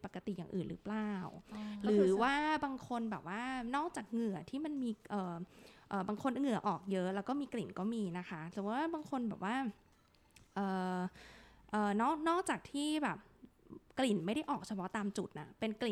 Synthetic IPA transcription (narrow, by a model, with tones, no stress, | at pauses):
pa˨˩kːa˧t̪i˨˩jaː˨˩ŋʔɯː˨˩nɾɯ̰˦˥plaː˧˩wɾɯː˩˦waː˥˩baː˧ŋkʰo˧nbɛː˨˩p̚waː˥˩nɔː˥˩k̚t͡ɕaː˨˩k̚ŋɯ˨˩ɐt̪ʰiː˥˩ma˧nmiː˧ʔɤː˨˩ʔɤː˨˩baː˧ŋkʰo˧n˧ŋɯ˨˩ɐʔɔː˨˩k̚jɤ˦˥ʔlɛː˦˥wkɔː˥˩miː˧kli˨˩nkɔː˥˩miː˧na˦˥xʰa˦˥sɯ˨˩˦waː˥˩baː˧ŋkʰo˧nbɛː˨˩p̚waː˥˩ | ʔɤː˨˩ | ʔɤː˨˩nɔː˥˩k̚nɔː˥˩k̚t͡ɕaː˨˩k̚t̪ʰiː˥˩bɛː˨˩p̚kli˨˩nma˥˩jɾa˥˩ʔɔː˨˩k̚t͡ɕʰa˧pʰɔ˦˥t̪aː˧mt͡ɕu˨˩t̪̚ʔa̰˦˩pe˧nkli˨˩n